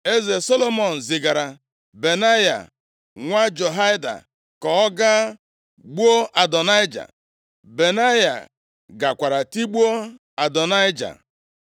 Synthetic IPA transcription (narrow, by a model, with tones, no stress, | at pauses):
e˦ze˨so˦lo˦mɔ˨n̩˨zɪ˨ɡa˨ɾa˨ | be˨na˦ja̰˨ | ŋʷa˦d͡ʒo˨ɦa˦jda̰˨ | kɔ˨ɔ˦ɡa˦ | ɡ͡bu˦o˦ʔa˨dɔ˨na˦jd͡ʒa̰˨ | be˨na˦ja̰˨ | ɡa˨kʷa˨ɾa˨ti˦ɡ͡bu˦o˦ | a˨dɔ˨na˦ɪ˦d͡ʒa̰˨